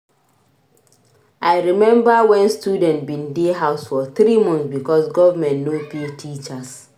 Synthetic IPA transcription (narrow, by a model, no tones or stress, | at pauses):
ʔajɹimɛ̃mbawɛ̃nstjudɛ̃ntbĩndeɦaʊsfɔθɾimɔ̃nθsbikɔsɡɔvamɛ̃ntnopitʰit͡ʃas